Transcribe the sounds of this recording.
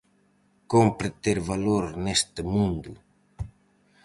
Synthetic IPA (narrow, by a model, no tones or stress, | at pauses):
kompɾet̪eɾβaloɾnɛst̪əmũnd̪u